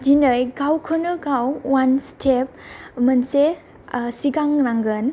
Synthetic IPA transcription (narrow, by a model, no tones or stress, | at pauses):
dinɯjɡawkʰɔnɯɡawːanstʰep̚mənse | siɡaŋɾaŋɡɯn